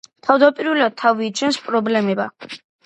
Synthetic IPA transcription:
t̪ʰavd̪apʼiɾvɛlad̪̚t̪ʰːaviːt͡ʃʰɛnspʼɾɔblɛmɛba

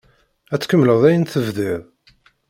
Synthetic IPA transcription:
æt͡sːkəmːləðˤæjənθəvðɪɾˤ

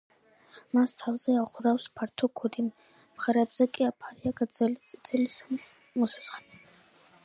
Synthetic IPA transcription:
mast̪ʰavzɛaʁuɾafspʰaɾt̪ʰɔkʰud̪imː | χaɾɛːbz̥ɛkʼiapʰaɾiaɡd̪zɛlit̪sʼi̥t̪ʰʼɛlis | mɔsḁsχɛni

